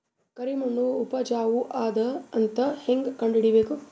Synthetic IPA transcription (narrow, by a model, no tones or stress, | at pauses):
kɐɾimɐɳːuːpɐd͡ʒaːʋuʔaːd̪ɐːnt̪ɐheŋɡkɐɳɖiɽibeːku